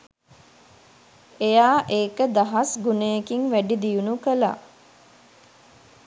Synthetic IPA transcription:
ejaːʔeːkəd̪aɦasɡunejekiŋʋæɖid̪ijunukəla̰

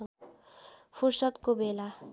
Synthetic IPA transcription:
pʰusʌt̪kobʱela

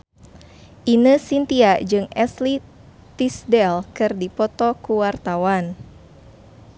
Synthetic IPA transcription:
ʔinəsint̪iaʔd͡ʒɨŋɛsli | t̪isdɛlkɨrdipɔt̪ɔkuwart̪awan

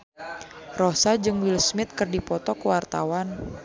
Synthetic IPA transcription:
rɔsad͡ʒɨŋwilsmɪt̪̚kɨrdipɔt̪ɔkəwart̪a̰wan

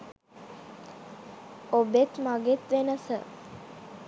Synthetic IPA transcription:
obet̪maɡet̪ʋenəsə̰

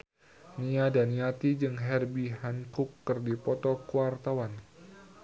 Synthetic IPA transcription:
niadaniat̪id͡ʒɨŋɦɛrbiɦankukːɨrdipɔt̪ɔkuwart̪awan

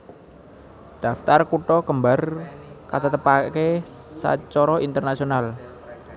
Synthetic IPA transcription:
d̪̥a̤ft̪arkuʈɔkəmbarkat̪ət̪əpakesa̰t͡ʃɔɾɔint̪ərnasional

